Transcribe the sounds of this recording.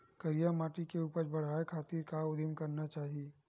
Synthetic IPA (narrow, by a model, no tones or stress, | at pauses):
kɐɾijamaːʈikeuːpəɾbɐɽ̤aːekʰaːt̪iːɾkaʊd̪ʱɪmkɐɾnat͡ʃaːɦieː